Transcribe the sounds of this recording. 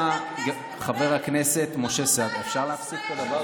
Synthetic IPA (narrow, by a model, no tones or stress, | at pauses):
χave̞ʁakne̞se̞tmo̞ʃe̞sead̪efʃaʁleafsit̚kolava